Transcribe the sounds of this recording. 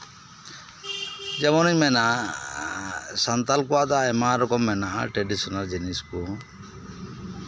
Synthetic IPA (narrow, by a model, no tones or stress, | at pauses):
d͡ʒɛmɔniɲmɛnaʔa | sant̪alkɔwad̪aɛmaɾɔkɔmːɛnaʔaʈɾɛɖisɔnald͡ʒinisku